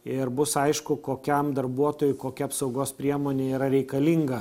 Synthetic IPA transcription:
ɪɾbʊsɐɪʃkʊkoːkʲɛmd̪ɐɾbuɔt̪oːjʊɪkoːkʲɛɐpsɒʊɡoːspʲɾʲiɛmoːnʲeːiːɾɐɾʲɛɪkɐlʲiŋɡɐ

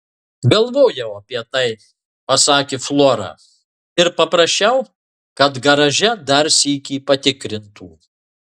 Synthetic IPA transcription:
ɡɐlˠʋoːjɛʊɐpʲiɛt̪ɐɪ | pɐsɑːkʲeːflˠoːɾɑ̰ː | ɪɾpɐpɾɐʃʲt͡ʃʲɛʊ | kɐt̪ɡɐɾɐʒʲɛd̪ɐɾsʲiːkʲiːpɐt̪ʲɪkɾʲɪnt̪ṵː

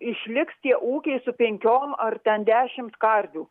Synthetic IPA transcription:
ɪʃʲlʲɪkst̪ʲiɛʔuːkʲɛɪsʊpʲɛŋʲkʲoːmɐrt̪ʲɛnd̪ʲæːʃʲɪmt̪kɐɾʲd̪ʲuː

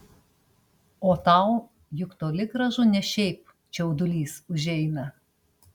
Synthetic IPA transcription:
oːt̪ɐˑʊ | jʊkt̪oːlʲɪɡɾɐʒʊnʲɛʃʲɛɪp | t͡ʃʲɛʊd̪ʊlʲiːsʊʒʲɛɪnɐ

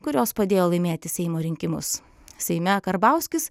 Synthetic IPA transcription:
kʊɾʲoːspɐd̪ʲeːjoːlˠɐɪmʲeːt̪ʲɪsʲɛɪmoːɾʲɪŋʲkʲɪmʊ̰s | sʲɛɪmʲɛkɐɾbɑˑʊsʲkʲɪs

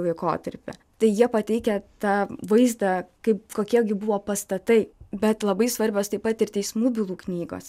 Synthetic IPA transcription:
lˠɐɪkoːt̪ɐɾʲpʲɛ̰ | t̪ɐɪjiɛpɐt̪ʲɛɪkʲɛt̪ɑːʋɐɪzd̪ɑkɐɪpkoːkʲiɛɡʲɪbʊʋoːpɐst̪ɐt̪ɐɪbʲɛt̪lˠɐbɐɪsʋɐɾʲbʲoːst̪ɐɪpːɐt̪ɪrt̪ʲɛɪsmuːbʲɪlˠuːknʲiːɡo̰ːs

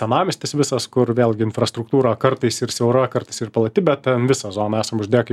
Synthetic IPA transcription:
sʲɛnɑːmʲɪsʲt̪ʲɪsʋʲɪsɐskʊrʋʲeːlʲˠɡʲɪɪnfrɐst̪ɾʊkt̪uːɾoːkɐrt̪ɐɪsɪrsʲɛʊɾɐkɐɾt̪ɐɪsɪrpɐlˠɐt̪ʲɪbʲɛt̪̚t̪ʲɛnʋʲɪsɐzoːnɐæːsɐmʊʒʲd̪ʲeːjoːkɐɪ

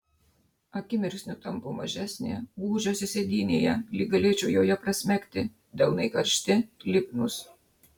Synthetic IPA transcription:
ɐkʲɪmʲɪɾʲsʲnʲʊt̪ɐmpomɐ̰ʒʲæːsʲnʲḛːɡuːʒʲoːsʲɪsʲed̪ʲiːnʲḛːjɛ̰lʲiːɡɐlʲeːt͡ʃʲɛʊjoːjɛpɾɐsʲmʲækʲt̪ʲɪ | d̪ʲɐlˠnɐɪkɐɾʲʃʲt̪ʲɪlʲɪpnʊs

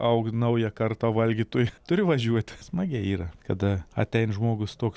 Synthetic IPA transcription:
ɐʊknɐʊjɛkɐrt̪oʋɐlʲɡʲiːt̪oːjt̪ʊɾʲɪʋɐʒʲuɔt̪ʲsmɐɡʲɛiːɾɐkɐd̪ɐɐ̰t̪ʲɛɪnʒmoːɡʊst̪oːks

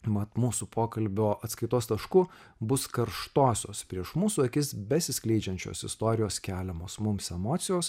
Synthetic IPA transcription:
mɐt̪muːsupʰoːkɐlʲbʲoːʔɐt̪skɐɪt̪oːst̪ɐʃku | bʊskɐɾʃt̪oːsʲo̰ːspʲɾʲiɛʃmuːsuɐkʲɪsbʲɛsʲɪsʲkʲlʲɛɪd͡ʒʲɛnʲt͡ʃʲo̰ːsɪ̰st̪oːɾʲɪjoːskʲæːlʲɛmoːsmʊmsɛmoːt̪sʲɪjoːs

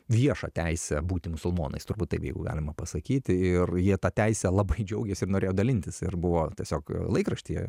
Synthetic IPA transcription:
ʋʲiɛʃɐt̪ʲɛɪsʲɛbuːt̪ʲɪmʊsʊlˠmoːnɐ̰ɪst̪ʊɾbuːt̪tɐɪpjɛɪɡʊɡɑ̰ːlʲɪmɐpɐsɐkʲiːt̪ʲɪɪrjiɛt̪ɑːt̪ʲæɪsʲɛlˠɐbɐɪd͡ʒʲɛʊɡʲesʲɪrnoːɾʲeːjoːd̪ɐlʲɪnʲt̪ʲɪsɪ̰rbʊʋoːtʲiɛsʲoːklˠɐɪkɾɐʃʲt̪ʲijɛ̰

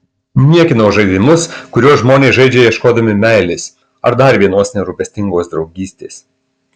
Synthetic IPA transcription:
nʲiɛkʲɪnɐʊʒɐɪd̪ʲɪmʊskʊɾʲuɔsʒmoːnʲeɪʒɐɪd͡ʒʲɛjɛʃkoːd̪ɐmʲɪmʲæˑɪlʲɪs | ɐɾd̪ɐɾʲʋʲiɛnoːsnʲɛɾʊpʲɛsʲt̪ʲɪŋɡoːsd̪ɾɒʊɡʲiːsʲt̪ʲeːs

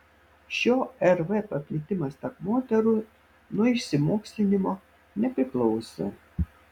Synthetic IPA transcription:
ʃʲoːɛɾʋɛpɐpʲlʲɪt̪ʲɪmɐst̪ɐkmoːt̪ʲɛɾʊ | nʊɪʃʲsʲɪmoːksʲlʲɪnʲɪmo | nʲɛpʲɾʲɪklˠɔʊsʲɛ̰

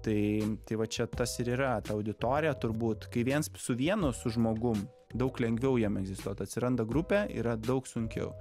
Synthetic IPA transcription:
t̪ɐɪt̪ɐɪʋɐt͡ʃʲɛt̪ɐsɪɾiːɾɐt̪ɐɐʊd̪ʲɪt̪oːɾʲɪjɛt̪ʊɾbuːt̪kɐɪʋʲiɛnssʊʋʲiɛnʊsʊʒmoːɡʊm | d̪ɐʊklʲɛŋʲɡʋʲɛʊjɛmɛɡzʲɪst̪uɔt̪ɐtʲsʲɪɾɐnd̪ɐɡɾupʲɛḭːɾɐd̪ɐʊksʊŋʲkʲɛ̰ʊ

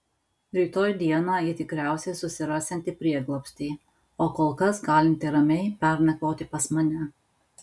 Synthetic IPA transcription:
ɾʲiːt̪oːjd̪ʲiɛnɑːjɪt̪ʲɪkɾʲæˑʊsʲɛsʊsʲɪɾɑːsʲɛnʲt̪ʲɪpʲɾʲiɛɡlˠoːpʲsʲt̪ʲɛɪ | oːkoːlˠkɐsɡɑːlʲɪnʲt̪ʲɪɾɐmʲɛɪpʲɛɾnʲɛkoːt̪ʲɪpɐsmɐnʲɛ

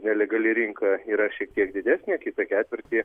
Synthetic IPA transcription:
nʲɛlʲɛɡɐlʲɪɾʲiŋkɐiːɾɐʃʲiɛk̚t̪ʲiɛkd̪ʲɪd̪ʲæːsʲnʲeːkʲɪt̪ɐkʲæːt̪ʲʋʲɪrʲt̪ʲiː

